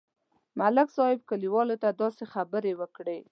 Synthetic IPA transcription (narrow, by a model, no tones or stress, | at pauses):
malɪkzɑjɪb̚kəliwɑlot̪ad̪ɑsexabəɾewəkɽe